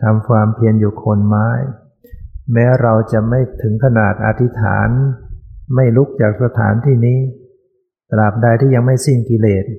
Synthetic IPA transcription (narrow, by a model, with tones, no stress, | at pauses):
t̪ʰa˧mkʰwaː˧mpʰi˧ənjuː˨˩kʰo˧nmaː˦˥j | mɛː˦˥wɾa˧wt͡ɕa˨˩ma˥˩jt̪ʰɯ˩˦ŋkʰa˧naː˨˩t̪̚ʔa̰˨˧˩t̪ʰi˦˥t̪ʰa̰ː˩˦n | ma˥˩jlu˦˥k̚t͡ɕaː˨˩k̚sa˧t̪ʰa̰ː˩˦nt̪ʰiː˥˩niː˦˥ | t̪la˨˩p̚daː˧jt̪ʰiː˥˩ja˧ŋma˥˩jsi˥˩ŋki˧leː˨˩t̪̚